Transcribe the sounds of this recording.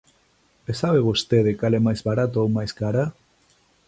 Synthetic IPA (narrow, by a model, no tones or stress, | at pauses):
esaβeβost̪eðɪkalɛmajzβaɾat̪oowmajskaɾa